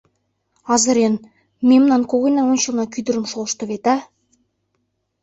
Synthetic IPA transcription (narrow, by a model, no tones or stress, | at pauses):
ɑzɤ̆ɾen | mʲemnɑnkoɣɤ̆jnɑŋonʲɕɤ̆lˠnɑkʲyd̪ə̆ɾə̆mʃolˠʃt̪ɤ̆βet̪æ